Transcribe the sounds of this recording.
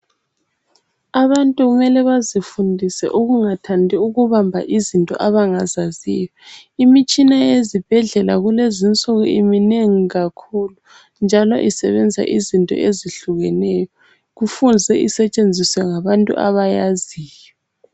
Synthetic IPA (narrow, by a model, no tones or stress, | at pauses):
aβantʼuɣumɛlɛβazifundʱisɛ̰ʔuɣuŋatʰandʱiuɣuβambʱa̰ʔizintʼɔ̰ʔaβaŋazazijɔimit͡ʃʼinajezib̥ʱɛɮɛlaɣulezint͡sʼɔɣɔ̰imineŋiɣakʰulu | nd͡ʒʱalɔ̰ʔisɛβɛnd͡zʱa̰ʔizintʼɔ̰ʔeziɬuɣɛnɛjɔ | ɣufund͡zʱɛʔisɛt͡ʃʼend͡zʱiswɛŋaβantʼṵʔa̰βajaziːjɔ